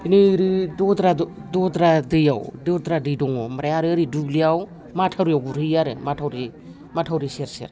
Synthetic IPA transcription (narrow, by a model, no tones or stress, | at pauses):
inɯɾɯdɔdɾadɔdɾadɯja̰wdɔdɾadɯjdɔŋɔmaɾajaɾɯɾiduɡliaw | matʰawɾijawɡuɾɯjaɾɯmatʰawɾi | matʰawɾiseɾsḛɾ